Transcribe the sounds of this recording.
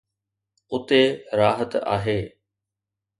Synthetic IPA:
ʊt̪eɾaːɦət̪a̰ːɦeː

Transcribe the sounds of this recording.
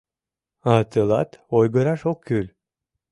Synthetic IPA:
ɑt̪əlɑ̰t̪ojɡəɾɑʃokʰːylʲ

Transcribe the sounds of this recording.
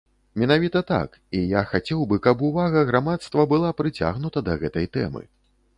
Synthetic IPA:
mʲɛnavʲit̪ɐt̪a̰k | ijaxat͡sʲɛwbɨkɐp̬uvaɣɐɣɾamat̪st̪vɐbɨlˠapɾɨt͡sʲa̰ɣnut̪ɐd̪ɐɣɛt̪ɐjt̪ɛ̰mɨ̰

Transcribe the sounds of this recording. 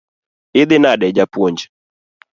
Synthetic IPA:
ɪðɪnaɗɛd͡ʒapwɔɲd͡ʒɛ̥

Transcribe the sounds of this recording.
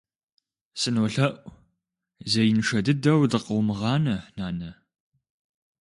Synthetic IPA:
sɨnwɔɬɐʔʷʼ | zɐjɪnʂɐdɨdɐwdɨqəwmɨʁɑːnɐnaːnɐ

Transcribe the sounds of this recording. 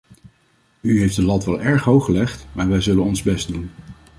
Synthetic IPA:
yɦejfdəlɑtʋɛlˠɛɹχɦowχəlɛχtmaːɹʋɛjzɵlənɔnzbɛst̚dun

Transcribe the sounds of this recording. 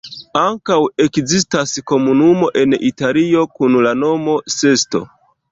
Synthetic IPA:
aŋkawe̞kzis̬tasko̞munumo̞ʔe̞nitalio̞kunlano̞mo̞se̞sto̞̰

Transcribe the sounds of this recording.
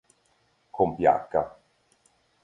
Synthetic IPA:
kʰompja̰kːa̰

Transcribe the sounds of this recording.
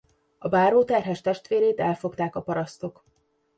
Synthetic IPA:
ɒbaːɾoːt̪ɛrɦɛʃt̪ɛʃt̪ʋeːɾeːt̪ɛlfo̞kt̪aːkɒpɒɾɒst̪o̞k

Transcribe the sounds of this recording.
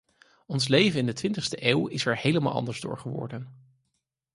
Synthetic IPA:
ɔnslejvənɪndətʋɪntəχstəʔeːwɪsɛɹhejləma̰lˠɑ̰ndəɹzdʊ̰ːɹχəʋɔ̰ɹdən

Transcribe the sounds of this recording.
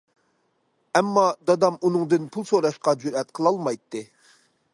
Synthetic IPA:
ɛmːɑd̪ɑd̪ɑmunɨŋd̪ɨnpʰulˠsoɾɑʃqɑd͡ʒuɾɛt̪̚qʰəlˠɑlˠmɑjt̪ːɨ

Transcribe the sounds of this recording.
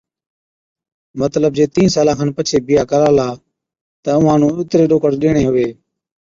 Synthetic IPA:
mət̪ləb̚d͡ʒeːt̪ĩːnsaːlãːkʰənpət͡ʃʰeːbɪjaːkəɾaːlaː | t̪əʊʋãːnũːɪt̪ɾeːɗoːkəɽɗɪːɽ̃eːɦʊʋeː

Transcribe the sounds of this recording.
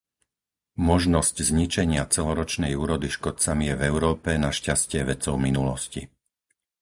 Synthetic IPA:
mɔʒnɔsczɲit͡ʃɛɲɪat͡sɛlɔɾɔt͡ʃnɛjuːɾɔd̪iʃkɔt͡samijɛvɛʊɾɔːpɛnaʃcascɪɛʋɛt͡sɔʊminulɔsci

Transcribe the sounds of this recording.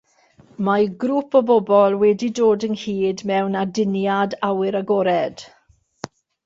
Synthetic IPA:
maɡɾuːpʰɔbɔbɔlˠwɛdidoːdənhiːdmɛwnadɪnjadawɪɾaɡɔɾɛd̥

